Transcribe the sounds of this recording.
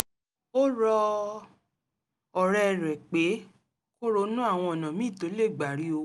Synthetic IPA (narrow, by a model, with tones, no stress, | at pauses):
o˦ɾɔ˧ | ɔ˨ɾɛ˧˨ɾɛ˨k͡pe˨˦ | ko˦ɾo˧˦nũ˦a˦˨w̃ɔ̃˧ɔ˨nã˨mĩ˦˨to˨˦le˦˨ɡ͡ba˨ɾi˨˦o˧